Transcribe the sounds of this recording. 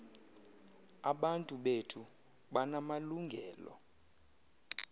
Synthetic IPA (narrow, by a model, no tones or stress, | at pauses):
aɓantʼuɓetʰu | ɓanamaluŋɡʱɛːlɔ̰